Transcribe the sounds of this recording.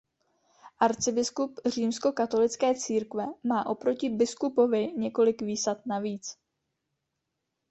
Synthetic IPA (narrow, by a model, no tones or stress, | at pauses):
ʔaɾt͡sɪbɪskupr̝iːmsko̞kat̪o̞lɪt͡skɛːt͡siːɾkvɛmaːʔo̞pɾo̞cɪbɪskupo̞vɪɲɛko̞lɪkviːsat̪̚naviːt͡s